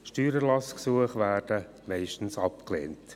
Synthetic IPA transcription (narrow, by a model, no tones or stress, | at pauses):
ʃtyːɾælɑsksuəχʋæːrd̥ə | mɛɪʃtən̩sɑpklḛːnt